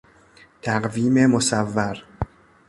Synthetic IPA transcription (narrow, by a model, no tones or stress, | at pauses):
t̪ʰæɢviːmemosævːæɾ